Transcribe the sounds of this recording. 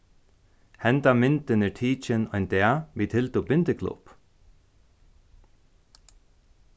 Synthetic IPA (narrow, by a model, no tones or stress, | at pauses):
hɛnt̪amɪnt̪ɪnɪt̪ʰiːt͡ʃɪnɔjnd̪ɛːaʋiːt̪ʰɪlt̪uːbɪnt̪ɪkʰlʊ̰p